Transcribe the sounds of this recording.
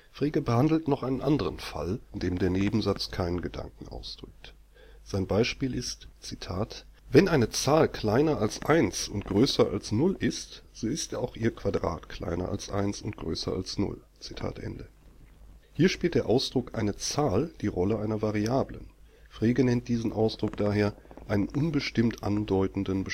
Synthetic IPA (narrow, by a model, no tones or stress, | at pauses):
fʁ̥eːɡəbəhandl̩tnɔχʔaɪnənʔandəʁənfa̰lɪndeːmdeːɐneːbm̩zat͡skʰaɪnənɡəda̰ŋkŋ̩ʔa̰ʊsd̥ʁʏk̚t | z̥aɪnbaɪʃpiːlɪstt͡sitʰaːtvɛnʔaɪnət͡saːlkʰl̥aɪnɐalsʔaɪnsʊntɡ̥ʁøːsɐʔa̰lsnʊlʔɪstz̥oːɪstːaʊxʔiːɐkv̥adʁa̰ːtkʰl̥a̰ɪnɐ̰ʔa̰lsʔa̰ɪnsʊnt̚ɡ̥ʁø̰ːsɐ̰a̰lsnʊ̰l | t͡si̥tʰa̰ːtʔɛ̰ndə | hiːɐʃpiːltd̥eːɐʔaʊsd̥ʁʊkʔaɪnət͡saːld̥iːʁɔləʔaɪnɐvaʁiaːblə̰n | fʁ̥eːɡənɛnt̚d̥iːzn̩ʔaʊsd̥ʁʊk̚d̥aːɦeːɐʔaɪnənʔʊnbəʃtɪmtʔa̰ndɔʏtn̩dənbə